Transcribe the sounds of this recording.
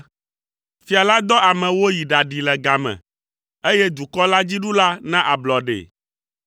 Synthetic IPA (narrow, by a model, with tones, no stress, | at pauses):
fi˨a˨la˦d̪ɔ˦a˨mɛ̃˨wo˦ji˨ɖa˨ɖi˨lɛ˨ɡa˨mɛ̰̃˨ | e˦jɛ˦d̪u˨kɔ˦la˦d͡ʑi˦ɖu˦la˦nã˦ʔa˨blɔ˨ɖḛ˨